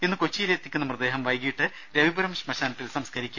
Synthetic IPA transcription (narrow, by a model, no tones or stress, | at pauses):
enːɨkot͡ɕːijileːt̪ːikʲːunːɐmrɨd̪e̞ːɦɐmʋɐjɡijiʈːɨ | ɾeʋibuɾɐmʂmɐɕaːnɐt̪ːilsɐmskʰɐɾikʲːum